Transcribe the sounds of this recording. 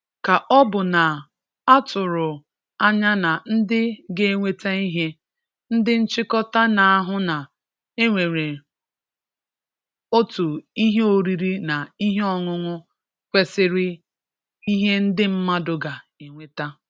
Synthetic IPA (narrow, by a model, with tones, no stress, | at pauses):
ka˨ʔɔ˦bʊ˨na˨ | a˦tʊ˨ɾʊ˨ | a˦ɲa˦na˨n̩˦dɪ˦ɡe˦ŋʷe˦ta˦i˦ɦe˦ | n̩˦dɪ˦n̩˦t͡ʃɪ˦kɔ˦ta˦na˨a˦ɦʊ˦na˨ | e˦ŋʷe˨ɾe˨ | o˦tu˨i˦ɦe˦o˨ɾi˦ɾi˦na˨i˦ɦe˦ɔ˦ŋʊ˦ŋʊ˦ | kʷe˦sɪ˦ɾɪ˦ | i˦ɦe˦n̩˦dɪ˦m̩˦ma˦dʊ˨ɡa˨e˨ŋʷe˦ta˦